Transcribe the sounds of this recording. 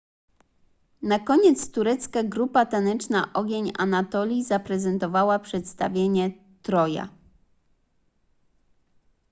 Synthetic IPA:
nakɔɲɛt̪st̪uɾɛt̪skaɡɾupat̪anɛt͡ʂna̰ʔɔɡʲeɲa̰nat̪ɔlʲizapɾɛzɛnt̪ɔvawapʂɛt̪st̪avʲjeɲɛ | t̪ɾɔja̰

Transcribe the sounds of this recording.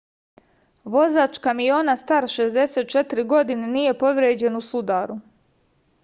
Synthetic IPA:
ʋo̞zaːt͡ʃkamijoːnast̪aɾʃe̞zd̪e̞seːt̪̚t͡ʃe̞t̪iɾiɡo̞d̪ineniːje̞po̞ʋɾeːd͡ʑe̞nusud̪aːɾu

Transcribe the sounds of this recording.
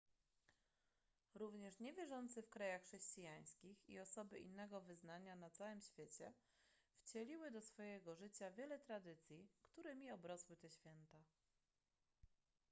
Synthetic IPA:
ɾuvɲɛʂɲɛvʲjɛʐɔnt̪sɘfkɾajaxʂɛɕt͡ɕijaj̃skʲixḭɔsɔbɘʔinːɛɡɔvɘznaɲanat̪sawɘmɕfʲjet͡ɕɛ | ft͡ɕɛlʲiwɘd̪ɔsfɔjɛɡɔʐɘt͡ɕavʲjɛlɛt̪ɾad̪ɘt̪sʲjikt̪uɾɘmʲiɔbɾɔswɘt̪ɛɕfʲjɛnt̪a

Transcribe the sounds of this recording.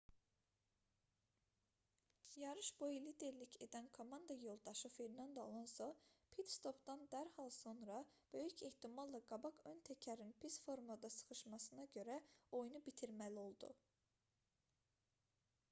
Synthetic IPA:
jɑɾɯʃbo̞jiliːd̪e̞ɾlicʰe̞d̪ænkʰo̞mɑnd̪ɑjo̞lˠd̪ɑʃɯfeɾnɑnd̪ɑo̰lˠɑnsopʰit̪st̪o̞pd̪ɑnd̪æɾhɑlˠso̞nɾɑb̥ø̞jycʰeht̪ʰimɑlˠːɑɡɑbɑkø̞nt̪ʰæcʰæɾinpʰisfo̞ɾmlˠad̪ɑsɯ̥χɯʃmɑsɯnɑɟø̞ɾæo̞junubit̪ʰiɾmælio̞lˠd̪ṵ

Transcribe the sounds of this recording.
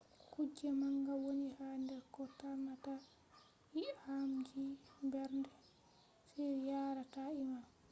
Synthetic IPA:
kud͡ʒɛmaŋɡawonihandɛɾkɔtamːata | hiʔhamd͡ʒimbɛɾndɛ | sɛjaːɾataima

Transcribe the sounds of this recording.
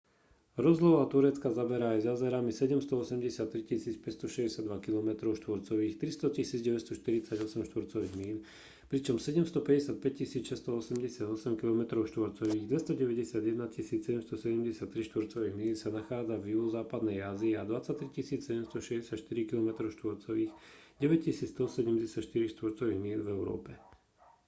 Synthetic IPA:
ɾɔzlɔʋat̪uɾɛt͡skazabɛɾaːjzjazɛɾamisɛɟɛmst̪ɔɔsɛmɟɛsɪat̪ːɾicisiːt͡spɛcst̪ɔʃɛzɟɛsɪad̪ʋakilɔmɛt̪ɾɔʊʃt̪ʋɔɾt͡sɔʋiːxt̪ɾist̪ɔcisiːd͡zɟɛʋɛcst̪ɔʃt̪iɾit͡saɟɔsɛmʃt̪ʋɔɾt͡sɔʋiːɣmiːl | pɾit͡ʃɔmsɛɟɛmst̪ɔpɛɟɛsɪat̪̚pɛc̚cisiːt͡sʃɛst̪ɔɔsɛmɟɛsɪad̪ɔsɛmkilɔmɛt̪ɾɔʊʃt̪ʋɔɾt͡sɔʋiːɣd̪ʋɛst̪ɔɟɛʋɛɟɛsɪad̪jɛd̪nacisiːt͡ssɛɟɛmst̪ɔsɛɟɛmɟɛsɪat̪ːɾiʃt̪ʋɔɾt͡sɔʋiːɣmiːlsanaxaːd͡zavjuzaːpad̪nɛjaziad̪ʋat͡sːac̚t̪ːɾicisiːt͡ssɛɟɛmst̪ɔʃɛzɟɛsjaʃt̪iɾikilɔmɛt̪ɾɔʊʃt̪ʋɔɾt͡sɔʋiːxɟɛʋɛc̚cisiːt͡st̪ɔsɛɟɛmɟɛsɪacʃt̪iɾiʃt̪ʋɔɾt͡sɔʋiːɣmiːlvɛʊɾɔ̰ːpɛ

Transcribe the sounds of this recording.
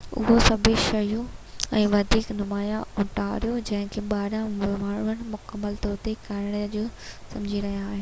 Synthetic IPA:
ʊ̰ɦosɐbʱɪʃɐjũɛ̃ːʋɐd̪ʱiːknʊmaːjaʊʈʰaɾijod͡ʑɐ̃ɦɪ̃kʰeɓaːɾãmmaːɳ̤ʊʋəɽ̃mʊkəmːəlt̪ɔːɾt̪ekaɾɪɽ̃əd͡ʑoːsɐ̃md͡ʑʱiɾɐɦijaːɦe

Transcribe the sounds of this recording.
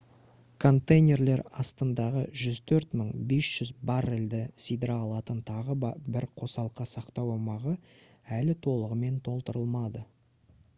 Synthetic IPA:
kʰo̞nt̪ejnʲe̞rle̞ɾɑst̪ənd̪ɑʁəʒʏzt̪ʰɵɾt̪məɴbe̞sʒ̥ʏzbɑɾɪld̪ɪsijd̪ɾɑːlˠɑt̪ənt̪ʰɑʁəbɪɾqʰo̞sɑlˠqəsɑqt̪ɑwomɑʁə | ælɪt̪ʰo̞lˠəʁəme̞nt̪ʰo̞lˠt̪əɾəlˠmɑd̪ə

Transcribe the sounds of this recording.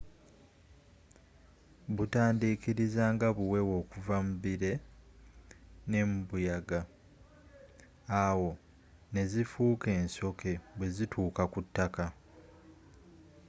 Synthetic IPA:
βutaːndiːkiɾizaːŋɡaβuwe̞wo̞ːkuvamuβiɾe̞ | ne̞mubujaɡa | awo̞ | ne̞zifuːke̞ːnso̞kʰe̞βwe̞zitʰuːkakutːaka

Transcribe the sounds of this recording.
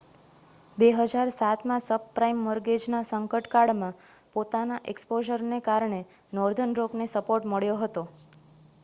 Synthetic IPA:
beɦəd͡ʒaɾsat̪mãsəbpɾaimːəɾɡed͡ʒnasəŋkəʈkaɽmã | pot̪anaʔekspoʒəɾnekaɾɳe | nɔɾd̪ʱənɾoɡnesəpoɾʈməɭjoɦət̪o

